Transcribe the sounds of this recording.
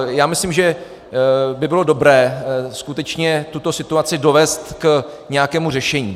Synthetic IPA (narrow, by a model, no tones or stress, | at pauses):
jaːmɪslɪmʒɛ | bɪbɪlo̞do̞bɾɛːskut̪ɛt͡ʃɲɛt̪ut̪o̞sɪt̪uat͡sɪdo̞vɛːst̪k | ɲɛjakɛːmurɛʃɛɲiː